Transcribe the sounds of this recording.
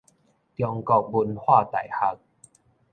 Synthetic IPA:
t̪jɔ˧ŋkɔ˧˩k̚bu˧nhwaː˥˩t̪a̰˨˩˦jha˧˦k̚

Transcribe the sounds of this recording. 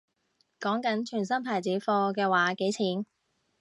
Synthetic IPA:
kɔː˨˥ŋkɐ˨˥nt͡ʃʰyː˨˩nsɐ˥npʰaː˨˩jt͡siː˨˥fɔː˧kɛː˧waː˨˥ke˨˥jt͡sʰiː˨˥n

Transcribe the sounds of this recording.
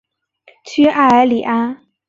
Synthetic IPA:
t͡ɕʰy˥ʔa˥˩ə˞˧˥li˨˩ʔa˥

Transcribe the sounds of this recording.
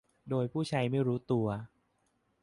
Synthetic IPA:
doː˧jpʰuː˥˩t͡ɕʰa˦˥jma˥˩jɾuː˦˥t̪u˧ɐ

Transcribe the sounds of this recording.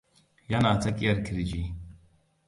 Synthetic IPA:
ja˦naː˨t͡sɐ˦kʼi˦ɐ˨ɾkʰiɾid͡ʒi

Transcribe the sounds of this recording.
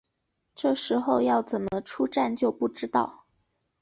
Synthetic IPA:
ʈ͡ʂɤ˥˩ʂɻ̩˧˥xo˥˧ʊjɑ˥˩ʊt͡sə˨˩nmə˦ʈ͡ʂʰu˥ʈ͡ʂa˥˧nt͡ɕjo˥˧ʊpu˥˩ʈ͡ʂɻ̩˥t̪ɑ̰˥˩ʊ

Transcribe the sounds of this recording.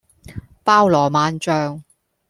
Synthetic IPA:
paː˥wlɔː˨˩maː˨˧nt͡ʃœː˧ŋ

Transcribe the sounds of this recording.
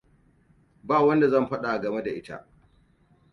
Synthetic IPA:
baː˦˨wɐ˦nda˨zɐ˦˨mɸɐ˦ɗa˨ɡɐ˨me˦da˨ʔɪ̰˦ta̰˦ʔ

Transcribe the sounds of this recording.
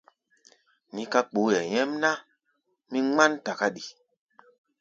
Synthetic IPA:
ni˨˦ka˦k͡po˨˦jɛ˨ɲɛ˦mna˦ | mi˦ŋ͡ma˦nta˨ka˦ɗi˨

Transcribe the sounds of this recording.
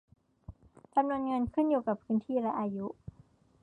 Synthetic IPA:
t͡ɕa˧mnu˧ənŋɤ˧nkʰɯ˥˩njuː˨˩ka˨˩pʰːɯː˦˥nt̪ʰiː˥˩ɾa˦˥ʔaː˧ju˦˥

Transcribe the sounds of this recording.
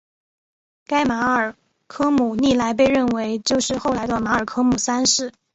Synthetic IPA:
ka˥ɪma˧˥ə˞˨˩ | kʰɤ˥mu˨˩ni˥˩la˧˥ɪp̬e˥˧ɪɻə˥˩nwe˧˥ɪt͡ɕjo˥˧ʊʂɻ̩˥˧xo˥˩ʊla˧˥ɪd̪ə˧ma˧˥ə˞˨˩kʰɤ˥mu˨˩sa˥nʂɻ̩˥˩

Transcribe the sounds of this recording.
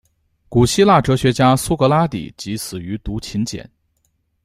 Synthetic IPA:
ku˨˩ɕi˥la˥˩ʈ͡ʂɤ˧˥ɕɥɛ˧˥t͡ɕja˥su˥kɤ˧˥la˥t̪ḭ˨˩˦t͡ɕi˧˥sʰɹ̩˨˩y˧˥t̪u˧˥t͡ɕʰi˧˥nt͡ɕjɛ̰˨˩˦n

